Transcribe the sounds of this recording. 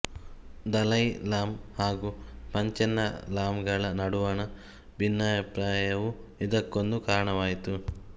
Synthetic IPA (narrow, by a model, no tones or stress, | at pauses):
d̪ɐlɐjlaːmhaːɡupɐɲt͡ʃɛnːɐlaːmɡɐɭɐnɐɽuʋaːnɐ | bʱinːɐjɐpɾaːjɐʋu | id̪ɐkːond̪ukaːɾɐɳɐʋaːjit̪u